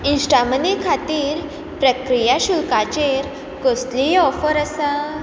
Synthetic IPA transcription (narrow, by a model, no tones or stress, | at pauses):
insʈamənekʰat̪iːɾ | pɾəkɾijaɕulkat͡ɕeɾ | kost̪liɔfəɾəsə